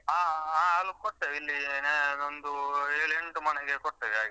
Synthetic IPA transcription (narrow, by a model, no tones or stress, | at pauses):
ɦaːaːɐlukoʈːeʋilːineond̪ueːɭeɳʈumɐneɡekɔʈ̪ːeʋea̰ːɡe